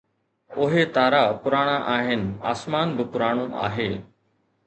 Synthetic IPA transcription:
ʊɦet̪aːɾapʊɾaːɽ̃aʔaːɦɪnɪ̆a̰ːsmaːnbɪpʊɾaːɽ̃õʔa̰ːɦeː

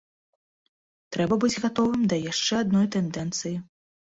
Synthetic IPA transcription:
t̪ɾɛbɐbɨd͡zʲɣat̪ɔvɨmd̪ɐjaʂt͡ʂɛad̪̚nɔjt̪ɛnd̪ɛnt̪sɨji

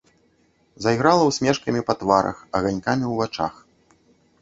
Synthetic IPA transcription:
zajɣɾalˠɐwsʲmʲɛʂkɐmʲipɐt̪vaɾɐ̰xɐɣanʲkamʲiwvat͡ʂa̰x

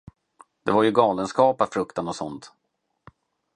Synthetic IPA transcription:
d̪ɛvaɾjɵɡɑːlənskɑːpafɾɵkt̪anɔsɔnt̪

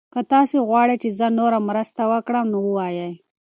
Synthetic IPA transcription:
kət̪ɑseɣwɑɽet͡ʃezənoɾamɾəst̪awəkɽəmnowəwɑjaj

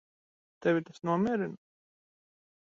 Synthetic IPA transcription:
t̪ɛvʲit̪asnuɔmʲiɛɾin

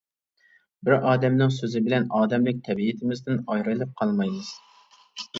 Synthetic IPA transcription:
bɪɾʔɑːd̪ɛmnɪŋsøzɪbɪlɛnɑːd̪ɛmlɪk̚ʲt̪ʰɛbiɪt̪ʰɪmɪzd̪ɪnɑjɾɨlˠɨp̚qʰɑlˠmɑjmɨz̥

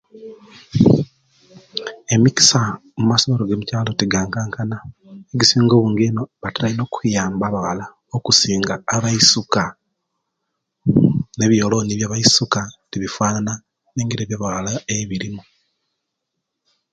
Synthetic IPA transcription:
e̞mici̥samumasoβoɾoɡemucaːlo̞teɡaːŋkaːŋkanaeɟisiːŋɡo̞βuːŋɡeno̞βataɾaino̞kʰujaːmbaβaɣa̰la | okusiːŋɡaːβaisuka | ne̞βjo̞lo̞niβjaːβaisukatiβifwaːnana | ne̞ːŋɡiɾeːβjaβaɣalaeβiɾimu

